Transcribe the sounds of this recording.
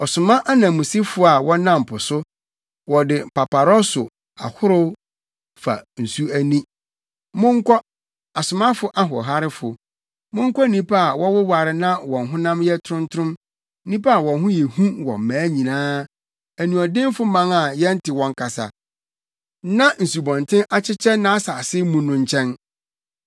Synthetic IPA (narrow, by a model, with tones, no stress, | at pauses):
ɔ˨sʊ˨mã˦ʔa˦nã˨mũ˨si˦fʊ˦a˨wɔ̃˦nã˦m̩˨pʰʊ˨sʊ˦ | wɔ˨dɪ˨pa˨pa˨ɾɔ˦sʊ˨ | a̰˨hʊ˦ɾʊ˦ | fa̰˨n̩˨su˦æ˦nĩ˦ | mʊ̃˦ŋ̩˦kʰʷɔ˦ | a˨sʊ˨mã˦fʊ˨ʔa˦ɦɔ˨ɦa˦ɾɪ˦fʊ˨ | mʊ̃˦ŋ̩˦kʰɔ˦nĩ˦pa˦a˨wɔ˦wʊ˦wa˨ɾɪ˦nã˦wɔ̃˨nɦʊ̃˦nã˦mjɛ˦tʰʊ˦ɾʊ̃˦ntʰʊ˦ʊ̃˦m˦ | nĩ˦pa˦a˨wɔ̃˨nɦʊ̃˦jɛ˨hũ˦wɔ̰̃˨m˨mæ̃ː˨˦ɲĩ˨nãː˦ | æ˨nũ˨ɔ˨dɪ̃˦mfʊ˦mã˦ŋa˨jɛ̃˦n̩˦tʰɪ˨wɔ̃˨ŋ˦kʰa˨sa̰˨ | nã˦n̩˨su˨bɔ̃˨ntʰɪ̃˦ʔa˦t͡ɕʰɪ˦t͡ɕʰɛ˦nã˦a˦sa˨sɪ˦mũ˦nʊ̃˨ɲ˦t͡ɕʰɛ̃˦n